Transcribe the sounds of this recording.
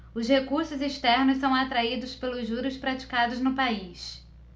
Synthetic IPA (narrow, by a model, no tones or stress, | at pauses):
ʊzhekuɾsʊziʃt̪ɛɾnʊssɐ̃w̃at̪ɾaid̪ʊspelʊzːuɾʊspɾat͡ʃi̥kad̪ʊznʊpais